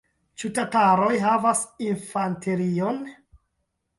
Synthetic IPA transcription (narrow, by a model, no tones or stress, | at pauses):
t͡ʃutataɾo̞jɦavasinfanteɾion